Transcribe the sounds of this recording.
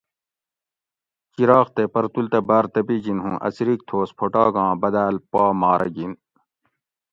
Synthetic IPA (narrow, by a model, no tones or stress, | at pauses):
kiɾɑːxt̪epɐɾt̪ult̪ɐbaːɾt̪ɐpiːɡinɦũːʔɐ̰siɾik̚t̪ʰoːspʰoʈaːɡɑ̃ːbɐd̪aːlpaːmaːɾʔɐ̰ɡin